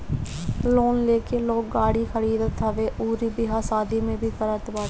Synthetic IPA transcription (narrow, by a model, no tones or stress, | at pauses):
loːnleːkeːloːk̚ɡaːɽiːkʰəɽiːd̪t̪ʰːəʋeːʔuːɾiːbɪɦaːsaːd̪ʱiːmẽːbʱiːkəɾət̪baː